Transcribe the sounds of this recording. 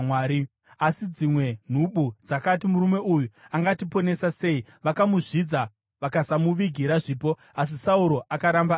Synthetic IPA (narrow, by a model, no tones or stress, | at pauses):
waːɾi | asid͡zimwe̞n̤uɓud͡zakat̬imuɾume̞ʔujuaŋɡatipo̞ne̞sase̞i | ʋakamuʐid͡za | ʋakasamuʋiɡʱiɾaʐiːpo̞ | as̬isauɾo̞ʔakaɾamba